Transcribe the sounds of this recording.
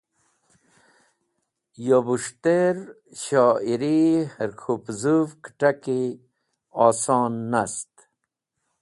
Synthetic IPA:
jobuʂt̪eɾ | ɕɑːiɾihəɾkʰupzuvkʈaki | ɑːsɑːnːast̪

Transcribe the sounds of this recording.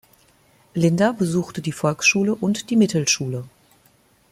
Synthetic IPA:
lɪndabəzuːxtədiːfɔlksʃuːləʔʊntd̥iːmɪtl̩ʃuːlə

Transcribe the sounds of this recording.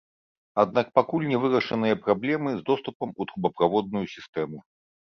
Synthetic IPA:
ad̪nak̚pakulʲnʲɛvɨɾɐʂɨnɨjɐpɾablʲɛmɨzd̪ɔst̪upɐmut̪ɾubɐpɾavɔd̪̚nujusʲist̪ɛmu

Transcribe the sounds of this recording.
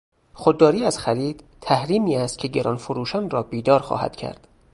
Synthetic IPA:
xod̪ːɒːɾiːæzxæɾiːd̪̥ | t̪ʰæhɾiːmiːæst̪̚cʰe̞ɟeɾʔɒ̰ːnfoɾuːʃænrɒːbiːd̪ɒːɾxɒ̰ːhæ̰d̪cʰæ̰ɾd̪̥

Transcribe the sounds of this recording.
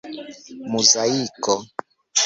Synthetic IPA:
muzaikɔ

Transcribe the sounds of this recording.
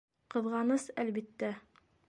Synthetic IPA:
qɤ̆ðʁɑnɤsælβit̪ːæ

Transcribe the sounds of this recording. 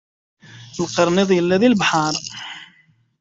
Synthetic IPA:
əlqɑɾˤniðˤjəlːæðilbħɑɾˤ

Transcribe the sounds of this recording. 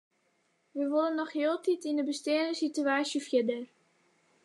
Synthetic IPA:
ʋəʋolənːɔχhɪəlˠtitindəbəsteːənəsityaːsjəfjɪdər

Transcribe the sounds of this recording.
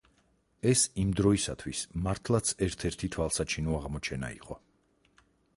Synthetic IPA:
ɛsimd̪ɾɔisat̪ʰwismaɾt̪ʰlˠat̪sʰɛɾt̪ʰɛɾt̪ʰit̪ʰwalˠsat͡ʃʰinuaʁmɔt͡ʃʰɛna̰ḭqʼɔ

